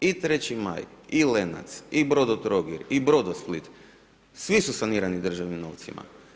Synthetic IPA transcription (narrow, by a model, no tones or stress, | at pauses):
it̪ɾet͡ɕima̰jilena̰t̪sibɾod̪ot̪ɾoɡiɾibɾod̪osplˠit̪ | sʋisusaniɾanid̪r̩ʒaʋnimno̰wt̪sḭma̰